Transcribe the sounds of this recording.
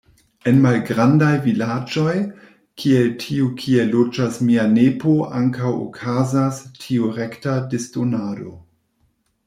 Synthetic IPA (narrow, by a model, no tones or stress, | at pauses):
e̞nmalɡɾandajvilad͡ʒo̞j | kʰieltʰiukʰie̞lod͡ʒasmianepoʔaŋkawo̰kʰazastʰiuɾe̞ktadestonaːdo̞̰